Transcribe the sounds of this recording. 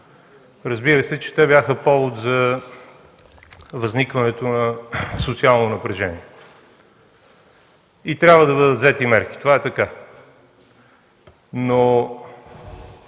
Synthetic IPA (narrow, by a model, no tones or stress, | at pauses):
ɾəzbiɾəsɛt͡ʃɛ̥t̪ɛbjaxəpɔvot̪zɐ | vɐznikvɐnɛt̪onɐsot̪sialˠnonɐpɾɛʒɛniɛ | it̪ɾʲabvəd̪ɐbəd̪ət̪zɛt̪imɛɾk̟i̥t̪ovaɛt̪ɐka | no